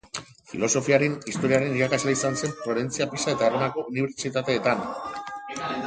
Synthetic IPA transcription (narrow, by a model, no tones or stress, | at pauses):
fḭlo̞so̞fiaɾenist̪o̞ɾiaɾe̞niɾakazleisanse̞nfɾo̞ɾe̞nt͡siapisae̞t̪aeronako̞ʔuniβ̞e̞ɾt͡ʃit̪at̪e̞ːt̪an